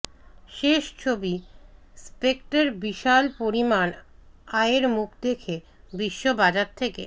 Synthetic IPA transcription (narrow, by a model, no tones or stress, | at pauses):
ʃeʃt͡ɕʰobispek̚ʈaɾbiʃalpoɾimanaeɾmukʰd̪ekʰe | biʃːobad͡ʑaɾt̪ʰeke